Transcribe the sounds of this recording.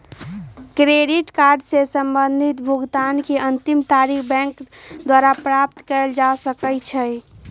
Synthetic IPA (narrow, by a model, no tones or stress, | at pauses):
kɾeɖiʈkaɾɖsesəmbənd̪ʱit̪bʱuɡt̪ankeʔənt̪imt̪aɾikʰbɛ̃ŋkd̪waɾapɾap̚t̪kɛld͡ʒasəkət͡ʃʰɛj